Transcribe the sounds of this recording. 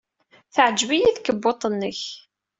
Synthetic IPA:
θəʕəd͡ʒvijiθkəbːot̪ˤənːəç

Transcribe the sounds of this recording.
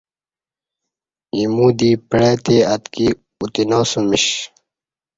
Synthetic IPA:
imuːd̪iːpɽet̪eɐt̪ki | ut̪inoːsumiɕ

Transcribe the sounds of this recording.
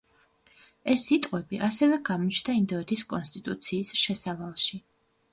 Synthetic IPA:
ɛsit̪ʼqʼwɛbiʔasɛvɛɡamɔt͡ʃʰnd̪aind̪ɔɛt̪ʰiskʼɔnst̪ʼit̪ʼut̪sʰiːsʃɛsavalˠʃi

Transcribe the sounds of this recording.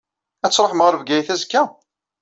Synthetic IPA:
æt͡sːɾˤoħməʁɾəvɡæjθæzkːæ

